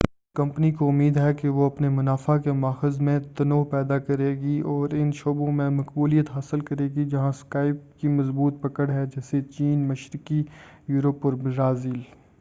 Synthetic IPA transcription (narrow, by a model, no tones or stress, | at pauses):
kɐ̃mpnikoʊmiːd̪ɦɛkeʋoɐpnemʊnaːfakemaːxɪzmẽt̪ɐnoːpɛːd̪akɐɾeːɡiɔːɾɪnʃoːbõmẽmɐkbuːlijət̪ɦaːsɪlkɐɾeːɡid͡ʒɐɦãskaːɪp̚kimɐzbuːt̪̚pɐkəɽɦɛd͡ʒɛːset͡ʃiːnmɐʃɾɪki | juːɾəpɔːɾbɾaːziːl